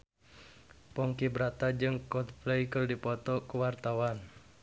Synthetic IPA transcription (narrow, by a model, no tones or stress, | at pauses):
pɔŋkibɾat̪ad͡ʒɨŋkɔt̪pleikərdipɔt̪ɔkəwart̪awan